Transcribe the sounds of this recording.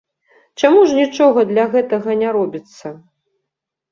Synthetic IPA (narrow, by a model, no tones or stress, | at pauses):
t͡ʂamuʐnʲit͡ʂɔɣɐd̪lʲɐɣɛt̪ɐɣɐnʲaɾɔbʲit̪sːɐ